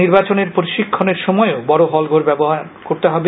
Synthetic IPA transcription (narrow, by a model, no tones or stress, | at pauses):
iɾbat͡ɕoneɾpoɾiʃikʰːoneɾʃɔmɔeobɔɾoɦɔlɡʱoɾbɛboɦaɾ | koɾt̪eɦɔbe